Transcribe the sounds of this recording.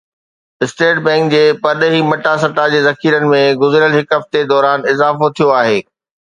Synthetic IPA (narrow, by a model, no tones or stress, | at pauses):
ɪsʈeːʈbɛ̃ːŋkd͡ʑeːpɐɾɗɦimɐʈas̬ɐt̪ad͡ʑeːzɐkʰiːɾənɪ̆mẽɡʊzɪɾəlɦɪkɐft̪ed̪ɔːɾaːnɪzaːfot̪ʰijoaːɦeː